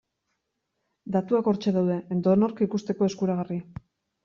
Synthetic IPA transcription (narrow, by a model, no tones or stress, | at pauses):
d̪at̪uako̞ɾt͡ʃe̞ðawðe̞end̪o̞no̞ɾkikust̪e̞ko̞e̞skuɾaɣ̞ari